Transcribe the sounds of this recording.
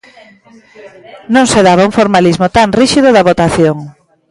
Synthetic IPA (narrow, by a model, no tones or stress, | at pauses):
nõŋseðaβauŋfoɾmalizmot̪aŋriʃiðʊðaβot̪aθjoŋ